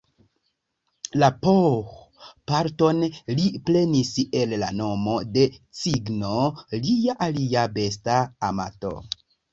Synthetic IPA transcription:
lapo | paɾto̞nliple̞nise̞llano̞mo̞de̞t͡siɡnolijaʔaliabe̞staːma̰to̞̰

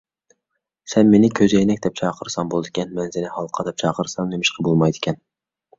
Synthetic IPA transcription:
sɛnmenɪkʲʰøzejnɛk̚ʲd̪ɛp̚t͡ʃʰɑːqʰəɾsɑmbolˠɨd̪ɪkʲʰɛnmɛnzɪnɪhɑlˠqʰɑd̪ɛp̚t͡ʃʰɑːqʰəɾsɑŋnemɪʃqʰəbolˠmɑjd̪ɪ̥kʲʰɛn

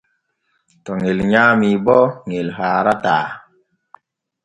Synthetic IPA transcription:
tɔŋelɲaːmibɔŋelɦaːɾataː

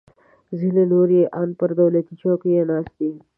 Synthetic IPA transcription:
zilenoːɾjeːʔaːnpɐɾd̪ɐwlet̪it͡ʃʰõːkijenaːst̪i

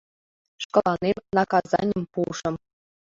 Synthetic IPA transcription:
ʂkɤ̆lˠɑnemʲnɑkɑzɑ̰nʲə̆mpuʂɤ̆m

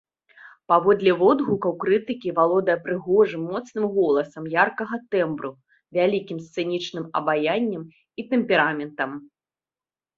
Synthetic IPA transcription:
pavɔd̪lʲɛvɔd̪ɣukɐwkɾɨt̪ɨkʲivalˠɔd̪ɐjɛpɾɨɣɔʐɨmːɔt̪snɨmɣɔlˠɐsɐmjarkɐɣɐt̪ɛmbɾu | vʲalʲikʲimst̪sɨnʲit͡ʂnɨmɐ̰bajanʲːɐm | it̪ɛmpʲɛɾamʲɛnt̪ɐm

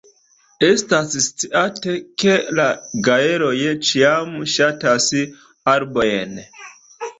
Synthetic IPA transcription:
e̞stasst͡siʔateke̞laɡae̞ɾo̞jet͡ʃiamʃatas | aɾbojen

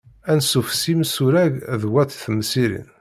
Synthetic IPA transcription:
ænsufsimsʊɾæʝðwæt̪θməsiɾḭn

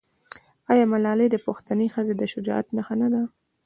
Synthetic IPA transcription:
ɑjɑmalɑled̪əpoxt̪anexəzed̪əʃʊd͡ʒɑ̰ʔa̰t̪naxanad̪a

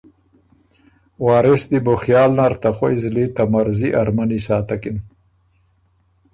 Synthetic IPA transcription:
wɑːɾɪsd̪ibʊxjɑːlnaɾt̪axwojzlit̪amaɾziʔaɾmanisɑːt̪akin

